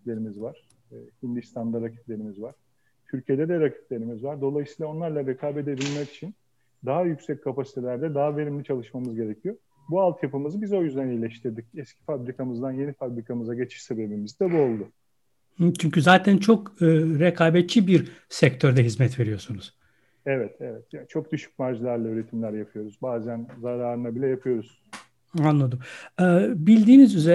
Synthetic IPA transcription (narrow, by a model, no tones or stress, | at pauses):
tlʲe̞ɾimizvaɾ̥ː | hind̪ist̪ʰand̪aɾacʰi̥t̪lʲe̞ɾimizvaɾ̥ | t̪ʰyɾcʰije̞d̪ɛd̪ɛɾacʰi̥t̪lʲe̞ɾimizvaɾd̪o̞lˠajɯsiːlˠao̞nlˠaɾlˠaɾekʰaːbɛd̪eb̪ilʲmɛki̥t͡ʃʰin | d̪aɦajyksɛc̚kʰapasi̥t̪ʰelʲæɾd̪ɛd̪aɦave̞ɾimlʲit͡ʃʰalˠɯʃmamɯzɟe̞ɾecʰijo̞ | bualˠt̪japɯmɯzɯbizo̞jyzd̪ænejlʲɛʃt̪ʰiɾd̪icɛscʰi̥fabɾikʰamɯzd̪anje̞nifabɾikʰamɯzaɟe̞t͡ʃʰi̥ʃse̞be̞bimizd̪ɛbuo̞lˠd̪ʊ | hɯt͡ʃʰyɲcyzaːt̪ʰænt͡ʃʰo̞kɯɾekʰaːbɛt̪̚t͡ʃʰːibiɾsɛct̪ʰøɾd̪ɛɦizmɛt̪ve̞ɾijo̞sunuz̥ | ɛvɛt̪ʰɛvɛt̪jat͡ʃʰo̞k̚d̪yʃy̥c̚maɾʒilʲˠæɾlˠaøːɾet̪ʰimlʲæɾjapʰɯjo̞ɾuzbaːzænzaɾaːɾɯnabilʲɛjapʰɯjo̞ɾuz | anlˠad̪ɯmɯːbilʲd̪iːnizyze